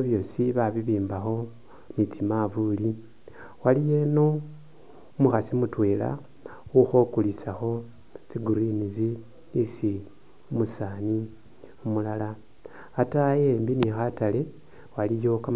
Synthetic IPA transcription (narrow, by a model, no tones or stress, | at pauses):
βjo̞ːsiβaβiβiːmbaxo̞ | nit͡simavuli | walije̞no̞ | umuxasimutwe̞ːla̰ | wuxo̞kulisaxo̞ | t͡siɡuɾinizi | isi | umusaːni | umulalaː | tajeːmbinixatale̞ | walijo̞ka